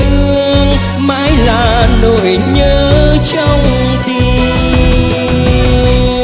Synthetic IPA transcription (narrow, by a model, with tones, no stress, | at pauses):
ɨ˧əəŋ | maː˨˧˦jlaː˧˨˩no˧˨˩jɲəː˨˦t͡ɕɔ˧wŋ͡m | ɗ̪i˧˩